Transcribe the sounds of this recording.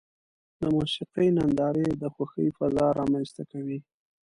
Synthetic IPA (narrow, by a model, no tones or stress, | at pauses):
d̪əmoʃɪqijnand̪ɑɾed̪əxwaxəjfazɑɾɑmanst̪akawi